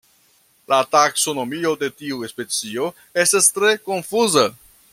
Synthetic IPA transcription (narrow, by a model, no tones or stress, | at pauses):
latakso̞no̞mio̞de̞tiuespe̞t͡sio̞ | e̞stastɾe̞ko̞nfuza